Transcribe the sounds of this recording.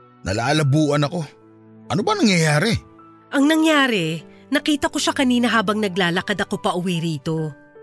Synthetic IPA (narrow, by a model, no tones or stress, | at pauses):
nʔɐ̰laːlɐbuːʔɐnɐko̞ | ʔɐnobɐnɐŋjɐjaːɾɛ | ʔɐŋnɐŋjaːɾɛ | nɐkiːt̪ɐko̞ʃɐkɐniːnɐɦaːbɐŋnɐɡlaːlɐkɐd̪ɐko̞pɐʔʊwiɾiːt̪o̞